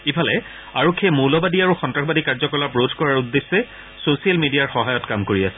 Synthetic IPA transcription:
ipʰalɛ | aɹokʰːemulɔbadiaɹuxɔntɹaxbadikaɹzɔkɔlapɹodʱkɔɹaɹudːesːɛ | sosialmidijaɹxɔɦajɔtkamkoɹiasɛ̥

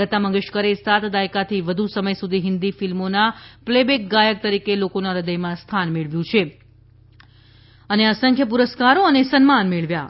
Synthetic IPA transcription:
ət̪aməŋɡəʃkəɾesat̪d̪ajkat̪ʰiʋəd̪ʱusəməjsud̪ʱiɦɪnd̪ifilmonaplebek̚ɡajək̚t̪əɾikelokonaɾəd̪əjmãst̪ʰanmeɭʋjũt͡ʃʰe | əneasəŋkʰjəpuɾəskaɾoənesənmanmeɭʋja

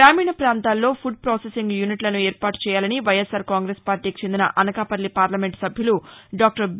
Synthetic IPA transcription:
aːmiːɳɐpɾaːnt̪aːlːo̞ːpʰuɖ̚pɾoːsesiŋɡjuniʈlɐnueːɾpaːʈu̥t͡ʃɛːjaːlɐniʋɐjesaːɾkaːŋɡɾeːspaːɾʈiːkit͡ʃend̪inɐ̰ʔɐnɐkaːpɐlːipaːɾlɐme̞ɳʈsɐbʱjuluɖaːk̚ʈɐɾ

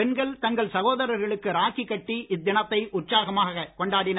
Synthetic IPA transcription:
ɛnɡɐɭt̪ɐŋɡɐɭsɐɣoːðɐɾɐɾɣɐɭɯkːɯɾaːkikːɐʈːiʔɪd̪ːɪnɐt̪ːɐɪʔʊʈsaːɣɐmaːɣɐkɔɳɖaːɽɪn

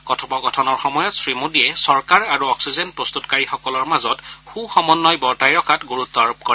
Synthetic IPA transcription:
kɔtʰɔbɔkɔtʰɔnɔɹxɔmɔjɔtsɹimodiɛsɔɹkaɹaɹuɔksizɛnpɹɔst̪utkaɹixɔkɔlɔɹmazɔtxuxɔmɔnːɔjbɔɹtajɹɔkʰatɡuɹut̪ːɔaɹup̚kɔ

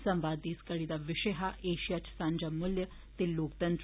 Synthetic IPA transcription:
sɐ̃mʋaːd̪iːskəɽid̪aʋɪʂəɦaʔeːʃijat͡ɕsãːnd͡ʑamʊljə | t̪eloːkt̪ɐnt̪

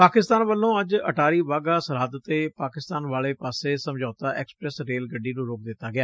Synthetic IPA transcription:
paːkɪst̪aːnʋəlːõːəd͡ʒə̰ʈaːɾiːʋaːɡaːsəɾaːd̪t̪eːpaːkɪst̪aːnʋaːɭeːpaːseːsəmd͡ʒaːt̪aːʔɛːkspɾɛsɾeːlɡəɖːiːnũːɾoːk̚d̪ɪt̪ːaːɡɪjaː

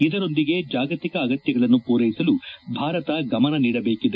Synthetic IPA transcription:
id̪ɐɾo̞nd̪iɡe̞d͡ʒaːɡɐt̪ikɐːɡɐt̪jɐɡɐɭɐnːupuːɾɐjisɐlubʱaːɾɐt̪ɐɡɐmɐnɐniːɽɐbe̞ːkid̪e

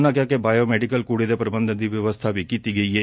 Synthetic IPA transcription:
nakjakebajomeɖikɐlkuːɽid̪epɾɐbɐnd̪ʱɐd̪ʱiʋjɐʋɐst̪ʰaʋikit̪iɡeje

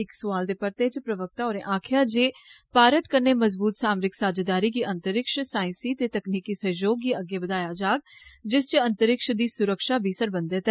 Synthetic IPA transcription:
ɪksʊʋaːld̪eːpəɾt̪eːt͡ʃpɾəʋək̚t̪aːoːɾẽːʔaːkʰjaːd͡ʒeːpaːɾət̪kəɾneːməzbuːt̪saːmɾɪksaːd͡ʒaːd̪aːɾiːɡiːʔənt̪əɾɪkʃsaːɪ̃siːt̪eːt̪əkniːkiːsəjoːɡːiːəɡːeːbəd̪aːjaːd͡ʒaːɡd͡ʒɪst͡ʃənt̪əɾɪkʃd̪iːsʊɾəkʃaːbʱiːsəɾbənd̪eːt̪ɛ

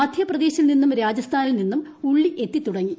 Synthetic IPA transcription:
aːd̪ʱjɐprɐd̪e̞ːɕilninːumɾaːd͡ʑɐst̪ʰaːnilninːumuɭːiʔe̞t̪ːit̪ːuɽɐŋːi

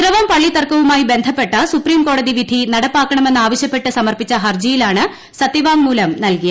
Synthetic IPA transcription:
ɾɐʋɐmpɐɭːit̪ɐrkɐʋumaːjibe̞nd̪ʱɐpːe̞ʈːɐsupriːmko̞ːɽɐðiʋid̪ʱinɐɽɐpːaːkːɐɳɐme̞nːaːʋɐɕjɐpːe̞ʈːɨsɐmɐrpit͡ɕːɐɦɐrd͡ʑɐjilaːɳɨ | sɐt̪ːiʋaːŋmuːlɐmnɐlkijɐ

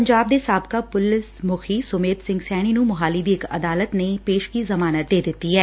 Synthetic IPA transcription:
əɲd͡ʒaːb̚d̪eːsaːbkaːpʊlɪsmʊkʰiːsʊmeːt̪sɪ̃ŋɡsɛːɽ̃iːnũːmʊɦaːlid̪iːɪkə̰d̪aːlət̪nepeːʃkizəmaːnət̪̚d̪eːd̪ɪt̪ːiɦɛː

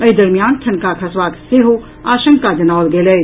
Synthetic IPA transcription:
ɐid̪ɐɾmijaːnʈ̪ʰɐnkakʰɐsʋaːt̪seːɦo | aːʃə̃ŋkkad͡ʒɐnaːʋlɡeːlɐe

